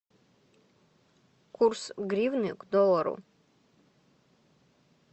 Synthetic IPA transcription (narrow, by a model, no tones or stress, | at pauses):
kʰursɡɾivnɨkʷʰʼd̪ɔlˠaɾṵ